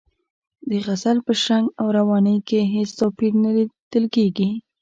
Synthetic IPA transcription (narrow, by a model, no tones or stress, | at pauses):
d̪əɣazalpəʃaŋɡawɾawɑnəjkeɦest̪ɑpiɾnalid̪̥əlkeɡi